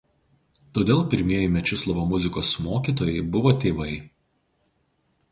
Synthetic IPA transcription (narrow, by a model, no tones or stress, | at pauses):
t̪oːd̪ʲeːlˠpʲɪɾʲmʲiɛjɛmʲɛt͡ʃʲɪslˠɔʋoːmʊzʲɪkoːsmoːkʲiːˑt̪oːjɛɪbʊʋoːt̪ʲeːʋɐɪ